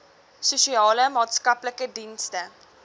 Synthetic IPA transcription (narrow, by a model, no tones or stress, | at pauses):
suʃiɑːləmɑːtskɐpləkədinstə